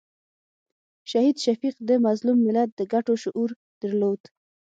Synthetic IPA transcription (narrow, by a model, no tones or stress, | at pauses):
ʃahid̪ʃafiqd̪əmazlumːɪlad̪̚ːəɡaʈoʃʊʔuɾ | d̪̥əɾlod̪̥